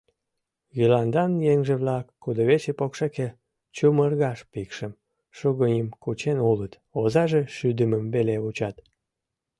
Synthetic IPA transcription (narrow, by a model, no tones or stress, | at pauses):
jilɑnd̪ɑnjeŋʒeβlɑkːud̪oβet͡ɕepokʃeke | t͡ɕumərɣɑʃpikʃəm | ʃuɣənʲəmkut͡ɕenulət̪ | ozɑʒeʃyd̪əməmbeleβut͡ɕɑt̪